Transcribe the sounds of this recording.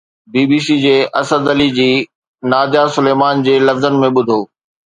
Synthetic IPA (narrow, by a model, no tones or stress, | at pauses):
biːbiːsid͡ʑeːʔɐsəd̪ɐlid͡ʑiː | naːd̪jasʊleːmaːnd͡ʑeːlɐfzənɪ̆mẽɓʊd̪ʱoː